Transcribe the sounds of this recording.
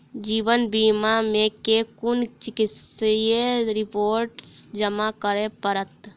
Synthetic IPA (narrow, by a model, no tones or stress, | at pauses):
d͡ʒiːbənbimamẽkekʊnt͡ʃɪkit̪sjeɾɪpoːɾʈsd͡ʒəmakəɾepəɾət̪